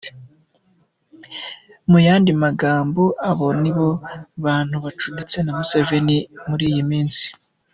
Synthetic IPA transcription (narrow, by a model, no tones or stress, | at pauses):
mujaːndimaɡaːmboʔaβo̞niβo̞βaːn̥huβat͡ʃudit͡se̞namuseve̞nimuɾiːjimiːnsi̥